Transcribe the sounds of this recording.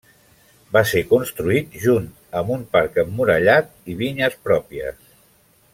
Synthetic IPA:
basekunst̪ɾuit̪̚ʒunt̪əmbumpaɾkəmːuɾəʎat̪̚iβiɲəspɾɔpiə̰s

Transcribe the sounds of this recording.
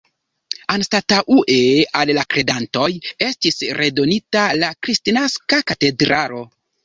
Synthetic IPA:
anstataʔuʔeallakɾe̞danto̞je̞stisɾe̞do̞nitalakɾistinaskakate̞dɾaɾo̞

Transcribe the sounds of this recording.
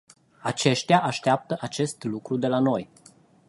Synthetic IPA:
at͡ʃe̞ʃt̪ʲaʔaʃt̪eap̚t̪əʔat͡ʃe̞st̪lukɾud̪e̞lano̞j

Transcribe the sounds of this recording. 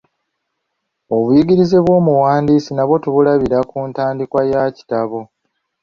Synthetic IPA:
o̞βujiɡiɾize̞βwo̞ːmuwaːndiːsinaβo̞tuβulaβiɾakuːntaːndikwajaci̥taβo̞

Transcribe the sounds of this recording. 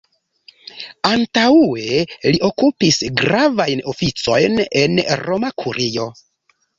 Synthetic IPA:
antaue̞liʔo̞kupisɡɾavajno̞fit͡so̞jne̞nɾo̞makʰuɾijo̞

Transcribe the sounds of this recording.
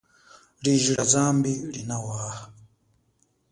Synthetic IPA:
liʒiɺad͡zambiɺinawaːha

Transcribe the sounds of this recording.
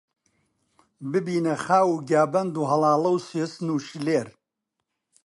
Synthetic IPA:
bɨbiːnɐxaːwuːɡaːbɐnd̪uːɦɐlɑːlˠɐwsesnuːʃleːɾ

